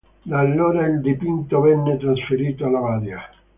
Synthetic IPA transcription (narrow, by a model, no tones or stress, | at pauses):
d̪alːoːɾaild̪ipint̪ovɛnːet̪ɾasfeɾiːt̪oalavaːɾja